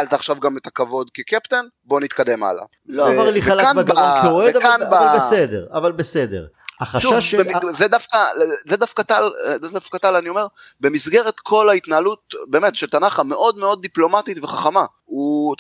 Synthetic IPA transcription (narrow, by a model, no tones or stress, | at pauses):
alt̪aχʃavɡamet̪akavo̞d̪kekept̪en | bo̞nit̪kad̪e̞ma̰la̰ | lovaʁliχealkanaɡaaaeoeedavkanbaalbesed̪eʁavalbesed̪ḛʁ | aχaʃuavvezed̪afkazed̪afkat̪aldadafkat̪alanio̞me̞ʁbe̞misɡe̞ʁe̞t̪kʰo̞lait̪naːlut̚be̞ːmet̪ʃelt̪anaχame̞ʔo̞d̪meo̞d̪̚ːiplo̞matit̪veχaχama | u